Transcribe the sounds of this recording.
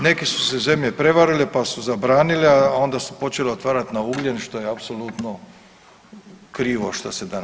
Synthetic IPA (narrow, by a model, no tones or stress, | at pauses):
ne̞kisu̥seze̞mʎe̞pɾe̞ʋaɾilepasuzabɾaːnileao̞nd̪asupo̞t͡ʃeleot̪ʋaːɾat̪nauɡlʲenʃt̪o̞jeapsolut̪no | kɾiːʋoʃt̪ased̪an